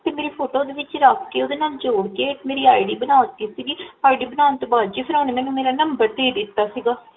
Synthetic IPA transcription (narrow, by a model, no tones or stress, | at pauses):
t̪eːmeːɾiːpʰoːʈoːd̪eːʋɪt͡ʃɾəkʰːeoːd̪eːnaːld͡ʒoːɽkeːmeːɾiːaːiɖiːbənaːt̪iːsiːɡiːaːiɖiːbənaːnt̪obaːd̪d͡ʒiːpʰəɾaːneːmɛ̃ːnũmeːɾaːnəmbəɾd̪eːd̪ɪt̪ːaːsiːɡaː